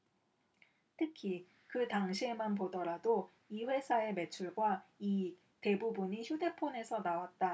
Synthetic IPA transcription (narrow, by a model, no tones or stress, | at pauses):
tʰɯkʰi | kɯtaŋɕʰie̞manp̬odʌɾado | iɸwe̞sʰae̞me̞t͡ɕʰuɭɡwai | te̞bubuɲiçʰjude̞pʰone̞sʰʌnawat̚t͈a